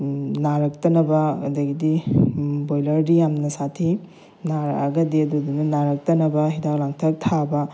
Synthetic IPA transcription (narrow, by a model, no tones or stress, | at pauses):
naɾɐk̚tɐnɐbɐɐdɐɡidi | bojlɐɾdijamnɐsatʰi | naɾɐ̰ɡɐdiɐdudunɐnaɾɐk̚tɐnɐbɐɦidak̚laŋtʰɐk̚tʰabɐ